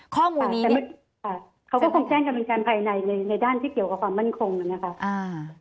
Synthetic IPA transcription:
kʰɔː˥˩muːa˧˩t̪ɛː˨˩m˥ | kʰa˧˩ | kʰa˦˥kɔ˥˩kʰo˧ŋt͡ɕɛː˥˩ŋka˧˩pe˧nkaː˧npʰaː˧jna˧jna˧jna˧jdaː˥˩nt̪ʰiː˥˩ki˨˩əwka˨˩kwaː˧mːa˥˩nkʰo˧ŋʔa˨˩na˦˥kʰa˦˥ʔa˧˩

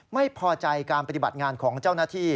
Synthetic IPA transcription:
ma˥˩jpʰɔː˧t͡ɕa˧jkaː˧npa˧t̪i˨˩ba̰˨˩t̪̚ŋaː˧nkʰɔː˩˦ŋt͡ɕa˥˩wnaː˥˩t̪ʰiː˥˩

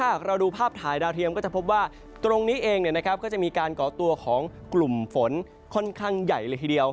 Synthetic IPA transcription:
aː˥˩aː˨˩ɾa˧wduː˧pʰaː˥˩p̚t̪ʰaː˩˦jdaː˧wt̪ʰi˧əmkɔː˥˩t͡ɕa˨˩pʰp̚waː˥˩ | t̪ɾo˧ŋniː˦˥ʔeː˧ŋni˩na˦˥kʰa˦˥p̚kɔː˥˩t͡ɕa˨˩miː˧kaː˧nkɔː˨˩˦t̪u˧ɐkʰɔː˩˦ŋklu˨˩mfo˩˦n | kʰɔ˥˩nkʰaː˥˩ŋja˨˩jlɤː˧jt̪ʰiː˧˩i˧əw

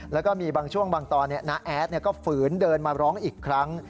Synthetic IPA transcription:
lɛː˦˥wkɔː˥˩miː˧baː˧ŋt͡ɕʰu˥˩əŋbaː˧ŋt̪ɔː˧nːi˥˩əna˦˥ʔʔɛː˦˥t̪̚ni˥˩ɐkɔː˥˩fɯː˩˦ndɤː˧nmaː˧ɾɔː˦˥ŋʔiː˨˩kʰːɾa˦˥ŋ

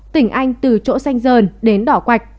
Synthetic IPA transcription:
t̪ï˧˩ŋ̟ʔa˧jŋ̟t̪ɨ˨˩t͡ɕo̰˧˥sa˧jŋ̟zəː˨˩nɗe˨˦nɗɔ˧˩kwa˨˩jk̟̚

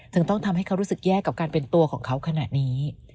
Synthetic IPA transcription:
t̪ɯ˧ŋt̪ɔ˥˩ŋt̪ʰa˧mha˥˩jkʰa˦˥wɾuː˦˥sɯ˨˩k̚jɛː˥˩kːa˨˩p̚kaː˧npe˧nt̪u˧ɐkʰɔː˩˦ŋkʰa˦˥wkʰa˧na̰˨˩t̪̚niː˦˥

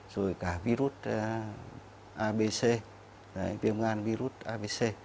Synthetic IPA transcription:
so˧jkahviɾu˦t̪̚ | ʔabe˧se˧ | na̰˨jpiəmŋa˧nviɾu˦t̪̚a˧bese

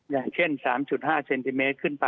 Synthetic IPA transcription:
jaː˨˩ŋt͡ɕʰe˥˩nsaː˩˦mt͡ɕu˨˩t̪̚ɦaː˥˩se˧nt̪i˧meː˦˥t̪̚kʰɯ˥˩npa˧

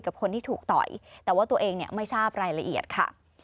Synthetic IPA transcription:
ka˨˩p̚kʰo˧nt̪ʰiː˥˩t̪ʰuː˨˩k̚t̪ɔ̰˨˩jt̪ɛː˨˩waː˥˩t̪u˧ɐʔeː˧ŋni˥˩ɐma˥˩jsaː˥˩p̚ɾaː˧jɾa˧ʔi˨˩ət̪̚kʰa̰˥˩

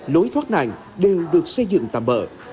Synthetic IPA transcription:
lo˨˦jt̪ʰwa˦˥t̚na̰˧˩ŋ | ɗe˨˩wɗɨ˨˩ək̚sə˧jzɨ̰˧˨ŋt̪a̰ː˧˩mɓə̰ː˧˨

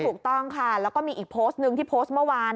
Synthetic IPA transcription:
t̪ʰuː˨˩k̚t̪ɔ˥˩ŋkʰa˥˩lɛː˦˥wkɔː˥˩miː˧ʔiː˨˩kpʰoː˦˥st̪̚nɯ˧ŋt̪ʰiː˥˩pʰoː˦˥st̪̚mɯ˥˩əwaː˧n

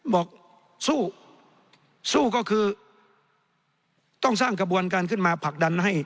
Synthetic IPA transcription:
bɔː˨˩k̚ | suː˥˩ | suː˥˩kɔː˥˩kʰɯː˧ | t̪ɔ˥˩ŋsaː˥˩ŋka˧bu˧ənk̬aː˧nkʰɯ˥˩nmaː˧pʰa˨˩k̚da˧nha˥˩j

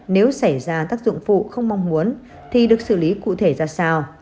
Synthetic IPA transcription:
ne˨˦wsa˧˩jzaː˧t̪aː˦˥k̚zʊ̰˧˨ŋ͡mfṵ˧˨xə˧wŋ͡mma˧wŋ͡mmu˨˦ən | t̪ʰi˨˩ɗɨ˨˩ək̚sɨ̰˧˩li˨˦kṵ˧˨t̪ʰe˧˩zaː˧saː˧w

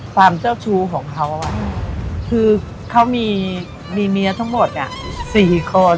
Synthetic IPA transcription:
saː˧˩mt͡ɕaː˥˩wt͡ɕʰuː˧kʰɔː˩˦ŋkʰa˦˥wʔa˧˩wa˧˩kʰɯː˧ | kʰa˦˥wmiː˧ | miː˧ni˧˦˥ɐt̪ʰa˦˥ŋmo˨˩t̪̚ni˧˥˩əsiː˨˩kʰo˧n

